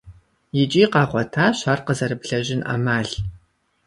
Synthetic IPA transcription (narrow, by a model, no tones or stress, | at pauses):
jɪt͡ʃʼiːqɑːχʷɔtʰaːɕaːrqəzɐɾɨpɬɐʑɪnʔɐ̰maːɮ